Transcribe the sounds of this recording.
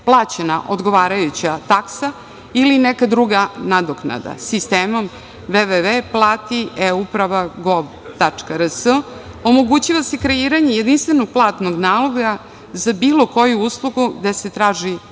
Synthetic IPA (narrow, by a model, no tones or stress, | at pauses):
plˠaːt͡ɕenaʔod̪ɡo̞ʋaːɾajut͡ɕat̪aksa | ilinekad̪ɾuɡanad̪okna̰d̪a̰sist̪eːmo̞m | veʋeʋeplˠaːt̪ieupɾaʋaɡob | t̪at͡ʂkaɾəsə | o̞mo̞ɡut͡ɕiʋasekɾeiːɾaɲejed̪inst̪ʋe̞noɡ̚plˠaːt̪noɡnaːloɡa | zabiːlˠo̞ko̞juuːslˠuɡuɡd̪e̞se̞t̪ɾaːʒi